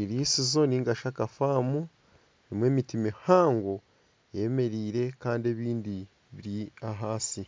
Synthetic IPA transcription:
iɾiːsizo̞niːŋɡaʃakafaːmu | nimwe̞ːmitimihaːŋɡo | jeme̞ɾiːɾe̞kaːndie̞βiːndi | βiɾiaɦaːsi

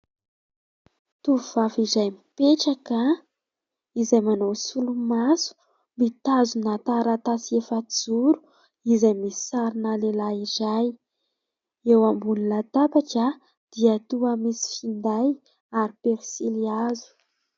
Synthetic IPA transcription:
t̪uvuv̥afizajmipeʈ͡ʂaka | izajmanawsulumasu̥ | mbit̪azunat̪aɾat̪asiefad͡zuɾu̥ | izajmisi̥saɾinalelaizaj | ewambunilat̪apaʈ͡ʂa | d̪̥iat̪uamisi̥find̪aj | aɾipeɾsiliazu̥

